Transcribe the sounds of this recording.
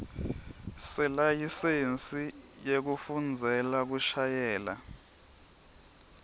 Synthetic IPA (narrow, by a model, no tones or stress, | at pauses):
sɛlajisent͡sʼijek̬ufund͡zʱɛlak̬uʃajɛːla̰